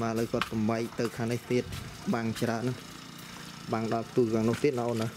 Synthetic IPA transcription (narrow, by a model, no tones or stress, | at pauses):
maːləːjkŏət̪̚sɑmɓaɛk̚t̪ɨwkʰaːŋniht̪iət̪̚ɓaːŋt͡ɕraənːɨn | ɓaːŋɗɑlpt̪uːkʰaːŋnʊht̪iət̪̚ʔaʔoːna